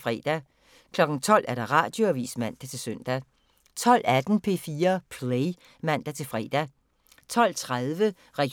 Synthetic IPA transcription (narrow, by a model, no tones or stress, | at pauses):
fʁɛ̰ːd̥æ | kʰlɒ̽ɡ̥n̩t͡sʰɒ̽l̰ʔæɐɾ̥ɑ̈ʁɑ̈ːd̥jo̝æʋḭːsmæn̰d̥æt͡sʰe̝lsœn̰d̥æ | t͡sʰɒ̽l̰æd̥n̩pʰe̝̰ːfiːɐpʰleɪ | mæn̰d̥æt͡sʰe̝lfʁɛ̰ːd̥æ | t͡sʰɒ̽l̰t͡sʰʁaðˠʋə | ʁɛɡ̥